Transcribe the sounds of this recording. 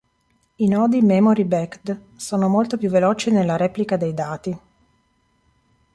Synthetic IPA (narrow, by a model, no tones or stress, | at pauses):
inɔːd̪imɛmoɾibɛkd̪ | soːnomolt̪opjuvːelɔːt͡ʃinelːaɾɛːplikad̪ejd̪aːt̪i